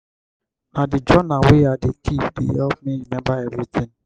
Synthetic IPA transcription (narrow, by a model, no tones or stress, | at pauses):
adid͡ʒɔnaweadekipdḛɦɛpmĩɾinɛbaɛvɾit̪ĩŋ